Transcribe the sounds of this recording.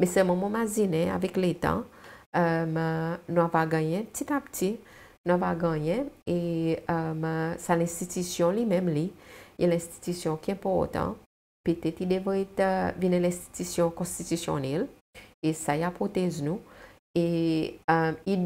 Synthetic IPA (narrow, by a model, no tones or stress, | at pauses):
mɛ̃sɛlmɔ̃mɔ̃mazinɛ̃a̰vɛklet̪ɑ̰̃əmnũavaɡãjɛ̃pət̪it̪apt̪ʰi | nũavaɡãjɛ̃eəmsalɛ̃st̪it̪ysjɔ̃limɛ̃mlijʔɛlɛ̃st̪i̥t̪ysjɔ̃kiɛ̃pɔʁt̪ɑ̰̃ | pet̪ɛt̪id̪evʁɛtvinɛ̃lɛ̃st̪i̥t̪ysjɔ̃kɔ̃st̪it̪ysjɔ̰nɛl | esaiapʁot̪ɛznũ | e | i